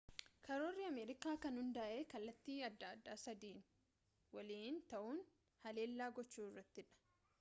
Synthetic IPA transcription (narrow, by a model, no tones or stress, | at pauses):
kɐɾo̞ːrːɪɐmeːɾɪkaːkɐnhʊnd̪ɐʔe̞ːkɐlːɐt̪ːiːɐd̪ːɐːd̪ːaːsɐd̪iːn | wɐliːnt̪ɐʔuːn | hɐle̞ːlːaːɡɔt͡ʃːuːɪrːɐt̪ːɪᶑɐ̥